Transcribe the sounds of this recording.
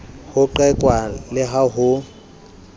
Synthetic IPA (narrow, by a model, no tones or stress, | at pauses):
hʊǃɛkʼwalɪɦaɦʊ